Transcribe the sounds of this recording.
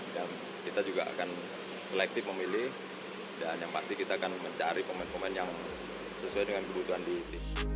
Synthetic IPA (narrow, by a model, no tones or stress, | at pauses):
jaŋ | kit̪ad͡ʒuɡa̰ʔa̰kan | səlɛk̚t̪ɪfməmilɪh | danjaŋpast̪ikit̪aːkanməɲt͡ʃaɾikomɛnkomɛnjaŋ | səsuajdəŋankəbut̪uɦandit̪i